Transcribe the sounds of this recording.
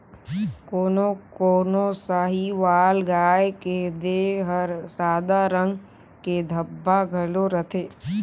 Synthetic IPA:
koːnokoːnosaɦiʋaːlɡaːeked̪eɦəɾsaːd̪aɾə̃ŋɡ | ked̪ʱəbːaɡʱəloɾət̪ʰeː

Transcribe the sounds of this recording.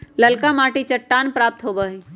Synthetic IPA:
lɐlkamaːʈit͡ʃɐʈːaːnpɾaːp̚t̪ɦoːbəi

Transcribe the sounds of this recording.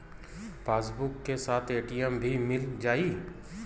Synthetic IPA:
pʰeːsbʊkːesaːt̪ʰeːʈiɛmbʱimɪld͡ʒaːiː

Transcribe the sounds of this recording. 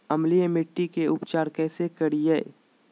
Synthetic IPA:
ɐmlijemɪʈːikeʊpt͡ʃaːɾkɛːsekəɽiɛː

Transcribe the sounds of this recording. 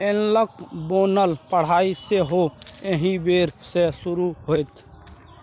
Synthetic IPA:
enləkboːnəlpəɽ̤aːiseɦoeɦĩbeːɾsesʊɾuɦot̪ʰ

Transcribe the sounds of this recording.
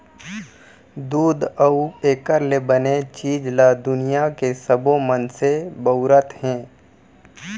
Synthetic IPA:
d̪uːd̪əueːkəɾlebənet͡ʃiːd͡ʒlad̪ʊnijakesəbomənsebəʊɾət̪hɛ̃ː

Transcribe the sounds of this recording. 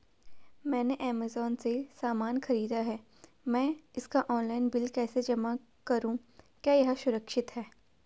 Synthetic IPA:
mɛ̃ːneʔɛːmaːzɔːnsesaːmaːnxɐɾiːd̪aɦɛː | mɛ̃ːɪskaʔɔːnlaːɪnbɪlkɛːsed͡ʒɐma | kɐɾũ | kjaːjɐɦʃʊɾəkʃɪt̪ɦɛː

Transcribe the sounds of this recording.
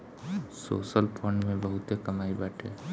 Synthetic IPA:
so̰ːsəlpʰəɳɖmẽbəɦʊt̪ekəmaibaːʈʰḛː

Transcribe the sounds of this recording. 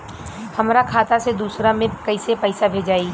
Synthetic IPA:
hɐmɾakʰaːt̪ased̪uːsɾamẽkɐɪsepɐɪsabʱeːd͡ʒaːi

